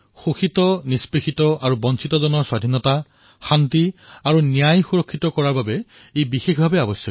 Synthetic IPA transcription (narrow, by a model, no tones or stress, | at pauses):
xoxitɔnispexitɔʔaɹubɔnsitɔzɔnɔɹswadʱinɔta | xantiaɹunijajxuɹɔkʰːitɔkɔɹaɹbabɛ | ejbixexbʱabɛabɔsjɔ